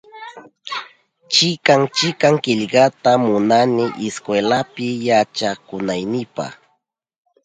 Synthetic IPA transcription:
t͡ʃɪkaŋt͡ʃɪkaŋkɪʎɢat̪amʊnanɪʔɪskwelapɪjat͡ʃakʊnajnɪpa̰χ

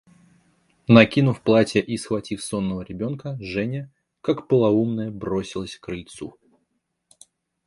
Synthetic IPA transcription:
nɐkʲinʊfplˠatʲjəʔisxvɐtʲifso̞nːəvəɾʲɪbʲo̞nkəʐɛnʲə | kakpəlˠɐumnəjəbɾosʲɪlˠəsʲkɾɨljt̪su

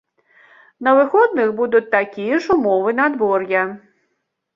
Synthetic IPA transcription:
nɐʋɪxɔd̪nɪxbud̪ʊt͡sʲt̪akʲijɛʃʊmɔʋɪnɐd̪bɔrjɐ

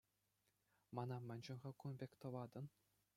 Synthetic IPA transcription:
mɑnɑmʲɘ̆nʲd͡ʑɘ̆nʁɑ̆kunbʲekʲt̪ɤ̆ʋɑd̪ɤ̆n

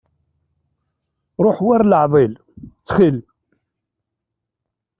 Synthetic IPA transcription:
ɾˤoħwaɾləʕðˤɪl | t͡sːχil

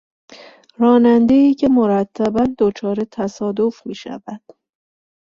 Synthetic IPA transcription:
ɾɒːnænd̪e̞iːcʰe̞mo̞ɾæt̪ʰːæbænd̪o̞t͡ʃʰɒːɾe̞t̪ʰæsɒːd̪ofmiːʃæ̰væd̪̥

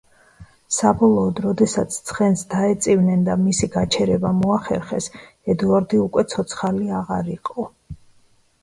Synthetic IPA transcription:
sabɔlˠɔːd̪ɾɔd̪ɛsat̪sʰt̪sʰχɛnsd̪aɛt̪sʼivnɛnd̪amisiɡat͡ʃʰɛɾɛbamɔaχɛ̰ɾχɛs | ɛd̪uaɾd̪iukʼwɛt̪sʰɔt̪sʰχaliaʁaɾiqʼɔ

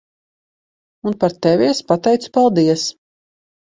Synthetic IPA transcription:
unpaɾt̪ɛvʲiɛspat̪ɛjt̪su̥palˠd̪iɛs

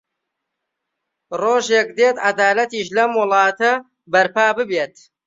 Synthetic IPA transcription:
roːʒek̚d̪et̪ad̪aːlɐt̪iːʃlɐmwʊlˠɑːt̪ɐ | bɐɾpaːbɨbeːt̪

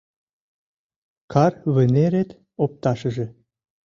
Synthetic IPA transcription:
kʰɑrβə̆neɾet̪ | op̚t̪ɑʃə̆ʒĕ

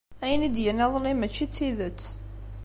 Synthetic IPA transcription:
æjənid̪jənæðˤlimət͡ʃːit͡sːiðət͡sː

